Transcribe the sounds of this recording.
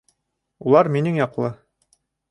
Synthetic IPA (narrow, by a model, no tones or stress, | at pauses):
ulˠɑɾminɘŋjɒqlˠɤ